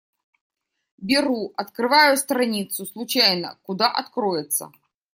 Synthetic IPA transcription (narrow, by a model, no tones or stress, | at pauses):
bʲɪɾuɐt̪kɾɨvajʊst̪ɾanʲit̪sʊslˠʊt͡ɕajnə̰kʊd̪aʔɐt̪kɾɔjɛt̪sːə̰